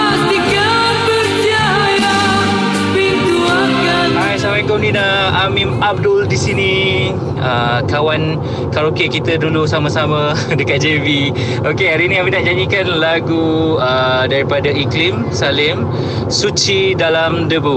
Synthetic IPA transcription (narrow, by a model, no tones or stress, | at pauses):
a | t̪iɡa | pəɾd͡ʒa | ja | pint̪uaŋka | ajsamaikondina | amimab̚dʊldisinĩ | əkawan | kaɾokekit̪ədulusamãsamã | dəkat̪̚d͡ʒevi | ʔokeaɾinĩaminaʔd͡ʒaɲikanlaɡuədaɾipadaiklim | salɪm | sut͡ʃidalamdəbu